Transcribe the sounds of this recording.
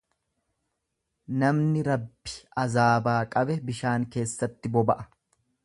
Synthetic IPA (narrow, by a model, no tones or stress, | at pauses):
nɐmnɪɾɐbːɪ̥ɐzaːbaːkʼɐbɛbɪʃaːŋke̞ːsːɐt̪ːɪbɔbɐʔɐ̥